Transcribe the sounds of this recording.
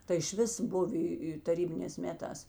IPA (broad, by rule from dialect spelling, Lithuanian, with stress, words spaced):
tɐɪ ɪʃʲˈʋʲɪs ˈbʊʋʲɪ tɐˈrʲiːbʲɪnʲeːs ˈmʲæːˌtɑːs